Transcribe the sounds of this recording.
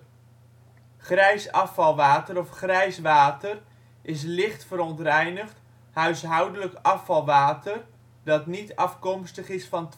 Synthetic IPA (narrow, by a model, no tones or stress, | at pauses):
χrɛjsɑfɑlˠʋaːtəɾɔfχrɛjsʋaːtər | ʔɪs̬lɪχtfəɾɔntrɛjnəχt | hœɥsɦʌwdələkɑfɑlˠʋaːtər | dɑtnitɑfkɔmstəχɪsfɑnt